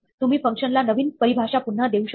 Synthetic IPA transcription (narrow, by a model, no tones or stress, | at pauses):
t̪um̤iːfəŋkʂənlanəʋiːnpəɾibʱaʂapun̤ːəd̪euɕə